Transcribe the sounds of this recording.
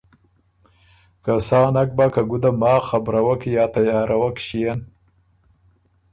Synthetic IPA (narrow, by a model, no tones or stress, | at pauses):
kasɑːnak̚bakaɡud̪amɑːxabɾawakjɑːt̪ajɑːɾawakʃijan